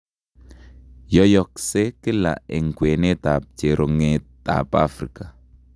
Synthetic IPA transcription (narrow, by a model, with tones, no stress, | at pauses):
jɔ˦jɔ˨k̚se˦ki˦la̰˨ɪ˨ŋkwe˨ne˦t̪a˨p̚t͡ʃe˨ɾʊ˨ŋet̪a̰pafɾḭka